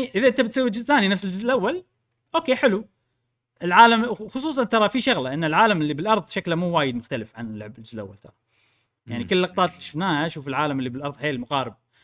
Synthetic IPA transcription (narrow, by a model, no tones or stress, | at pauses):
ʔɪðaʔɪnt̪abɪt̪sawːild͡ʒɪzθaːninafsɪld͡ʒɪzʔɪlʔawːal | ʔoːkeːħɪlu | ʔɪlʕaːlamwxʊsˤuːs̬ˤɑnt̪ɑɾˤɑfiʃaɣlaʔɪnːalʕaːlamɪlːibɪlʔɑɾˤðˤʃaklmuːwaːjɪd̪mʊxt̪alɪfʕa̰nlːʊʕbɪld͡ʒɪzlʔa̰wːa̰lt̪ɑ̰ɾˤɑ | jaʕnikɪlːɑqt̪ˤɑːt̪liʃʊfnaːhaʃuːfɪlʕaːlamɪlːibɪlʔɑɾˤðˤħeːlmʊɣɑːɾɪb̚